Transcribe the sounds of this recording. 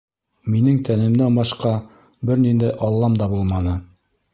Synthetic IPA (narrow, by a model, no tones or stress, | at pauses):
minɘŋt̪ænɘ̆mnæbɑʃqɑ | bɘɾnind̪æjʔɑlˠːɑmd̪ɑbulˠmɑnɤ